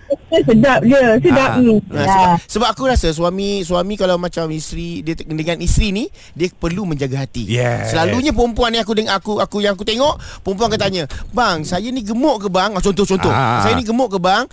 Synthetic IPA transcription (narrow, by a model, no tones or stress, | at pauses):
əsədap̚jəsədap̚asəbasəbap̚akuɾasas̬uamiswamikalawmat͡ʃamist̪ɾidiədəŋanist̪ɾini | diəpərlumə̃ɲd͡ʒaɡaɦat̪ḭjɛsəlaluɲap̬əompuanːĩak̬udəŋanakuakujãŋak̬ut̪eŋɔʔpəompuankat̪aɲə̃baŋsajaniɡəmoʔkəbaŋat͡ʃɔnt̪oht͡ʃɔnt̪ohsajanĩɡəmoʔkəbaŋ